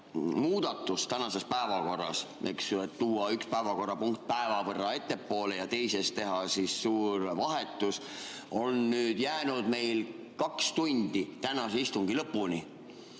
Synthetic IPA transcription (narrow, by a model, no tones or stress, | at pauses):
muːd̪̥ɑt̪ːˑust̪ænɑse̞spæevɑko̞rːɑ̰sʔekseb̚t̪uːɑykspæevɑko̞rːɑpuŋkt̪̚pæevɑvɤrːɑe̞t̪ːˑe̞pːo̞ːlejɑt̪e̞jse̞st̪e̞ɦɑsisːuːɾvɑɦe̞t̪ːˑus | o̞nːyːd̪̥jæːnud̪̥me̞jl | kɑkst̪unʲd̪̥it̪ænɑse̞ist̪uŋɡ̥ilɤpːˑuni